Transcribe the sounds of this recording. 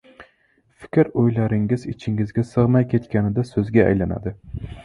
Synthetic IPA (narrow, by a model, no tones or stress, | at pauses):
fɪ̥kʲɾojlaɾɪŋɪzɪt͡ʃʰɪŋɪzɡʲasɨʁmajkʲʰe̞t̪kʲʰanɪd̪asɵzɡʲaa̰jlana̰d̪ɪ